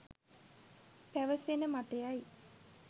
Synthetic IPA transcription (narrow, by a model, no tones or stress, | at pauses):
pæʋəsenəmat̪ejaj